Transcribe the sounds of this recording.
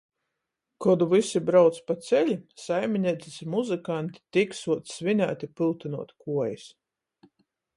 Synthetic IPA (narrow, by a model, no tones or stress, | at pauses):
kɔd̪uvisibɾawt̪spat̪sɛlʲisajmʲinʲɛt̪i̥smuzɨkant̪i̥t̪iksuɔt̪svinʲa̰ːt̪ʲipɨlˠt̪ɨnuɔt̪kuɔjis